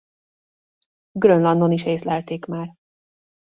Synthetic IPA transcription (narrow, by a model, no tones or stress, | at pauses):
ɡrønlɒnd̪oniʃeːslɛlt̪eːkmaːr